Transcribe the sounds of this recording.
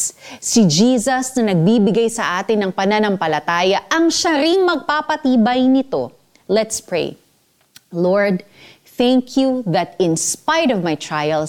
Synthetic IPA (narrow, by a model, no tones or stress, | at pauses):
sɪd͡ʒiːsɐsnɐnɐɡ̚biːbɪɡajsɐʔaːt̪ɪnːɐŋpɐnanɐŋpɐlɐt̪aːjɐʔɐŋʃɐɾiŋmɐɡ̚papɐt̪iːbɐjnɪt̪o̞̰ | lɛt̪spɹḛj | loɹd̪ | θæŋkʰjuðɐt̪ɪ̃nspajdɔvmajt̪ɹajɐl